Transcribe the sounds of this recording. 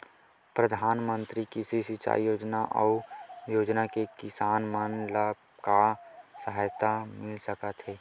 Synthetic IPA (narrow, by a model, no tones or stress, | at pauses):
pɾəd̪ʱaːnmə̃nt̪ɾikisisit͡ʃa̰ːijoːd͡ʒnaʔɔ̰ʊjoːd͡ʒnakekɪsaːnmənlabkasəɦajt̪amɪlsəkət̪ɦeː